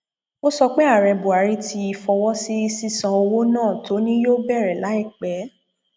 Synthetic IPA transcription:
o˦sɔ˧k͡pe˦a˦˨ɾɛ˧bu˨a˨˦ɾi˦ti˧i˧fɔ˧wɔ˦si˦i˧si˦sã˧o˧wo˦nãː˦˨to˨˦nĩ˦jo˦bɛ˦˨ɾɛ˨la˨˦i˦˨k͡pɛ˨˦

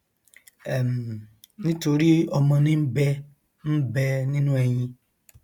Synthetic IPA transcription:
e˨m̩˨ | nɪ˦to˨ɾi˦ɔ˨mɔ˨nɪ˦m̩˦be˦ | m̩˦be˦nɪ˦nũ˦e˨ɲĩ˦

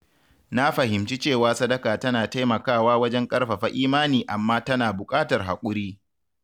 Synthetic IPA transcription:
na˦ɸɐ˨ɦɪ˨mt͡ʃi˦t͡ʃeː˦˨waː˦sɐ˦dɐ˦kaː˨tɐ˦naː˨ta˦jmɐ˨kaː˦˨waː˦wɐ˦d͡ʒɛ˦ŋkʼɐ˦rɸa˨ɸa˦ʔiː˦maː˦niː˨ʔa˨mːaː˦tɐ˦naː˨bʊ˨kʼaː˦tɐ˨rɦa˨kʷʼʊ˦ɾiː˦

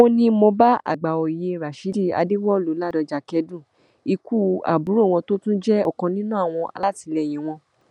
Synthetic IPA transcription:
o˦nĩ˧mõ˧ba˦a̰˨ɡ͡ba˨o˨i˨je˧˨ɾa˨ʃi˨˦di˦˨a̰˧de˦wɔ˦lo˨˦la˦˨dɔ˧d͡ʒa˨kɛ˧dũ˦˨ | i˧ku˦a̰˨bu˨˦ɾo˦˨w̃ɔ̃˧to˦tũ˦d͡ʒɛ˦ɔ˦˨kã˧nĩ˦nũ˦a˦˨w̃ɔ̃˧ʔa̰˧la˦ti˧lɛ˧˨j̃ĩ˨w̃ɔ̃˧

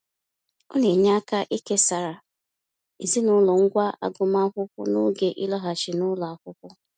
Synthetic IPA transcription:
ʊ˦ne˨ɲa˦ka˦ʔi˦ke˦sa˨ɾa˨ | i˨zi˦nʊ˦lɔ˨ŋ̩˦ɡʷa˦ʔa̰˦ɡʊ˨ma˦kʊ˦kʷʊ̰˦nʊ˦ɡe˨ʔḭ˦lɔ˦ɦa˨t͡ʃɪ˨nʊ˦lɔ˨a˨kʷʊ˦kʷʊ˦

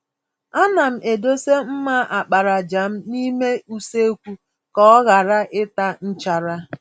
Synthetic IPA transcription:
a˦na˨m̩˨ʔe˨do˦se˦m̩˦ma˦ʔa˨k͡pa˨ɾa˨d͡ʒa˨m̩˦ni˦me˦u˦se˦kʷu˦ | kɔ˦ɣa˨ɾa˦ʔɪ˦ta˦n̩˦t͡ʃa˨ɾa˦

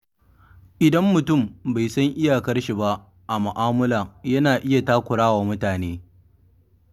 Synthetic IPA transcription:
ʔɪ˨dɐ˦mːʊ˨tʊ˦˨mba˨jsɐ˦ŋʔɪ˦ja˨kɐ˦rʃi˨ba˦ʔ | ʔa˨mʊ˨ʔaː˦mʊ˦la˨jɐ˦naː˨ʔɪ˦ja˨taː˦kʷʊ˨ɽaː˦waː˨mʊ˦taː˨neː˦

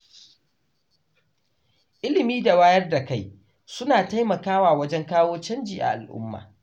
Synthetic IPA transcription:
ʔɪ˦lɪ˨miː˦da˨waː˦jɐ˦rda˨ka˦j | sʊ˦naː˨ta˦jmɐ˨kaː˦waː˨wɐ˦d͡ʒɛ˦ŋkaː˦woː˦t͡ʃɐ˦nd͡ʒiː˨ʔa̰˨ʔa˨lʔʊ̰˦mːa̰ː˨

